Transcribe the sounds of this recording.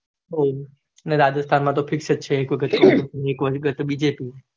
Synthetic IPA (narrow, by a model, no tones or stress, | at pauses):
ɦo | neɾad̪əst̪ʰanmãt̪̬ofʰɪkʃət̪̚t͡ʃʰeːkʋəɡət̪ːoekʋəʃɡət̪bid͡ʒepi